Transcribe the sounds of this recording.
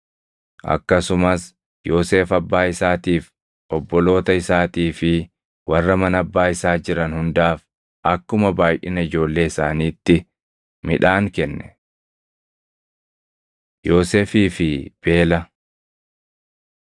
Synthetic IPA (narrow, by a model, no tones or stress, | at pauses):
ʔɐ̰kːɐsʊmɐs | jo̞ːse̞ːfɐbːaːɪsaːt̪iːf | ʔɔbːɔlo̞ːt̪ɐɪsaːt̪iːfɪ | wɐrːɐmɐnɐbːaːɪsaːd͡ʒɪɾɐnhʊnd̪aːf | ʔɐkːʊmɐbaːjʔɪnɐɪd͡ʒo̞ːlːe̞ːɪsaːniːt̪ːɪ | mɪᶑaːŋkɛnːɛ̥ | jo̞ːseːfiːfɪb̥e̞ːlɐ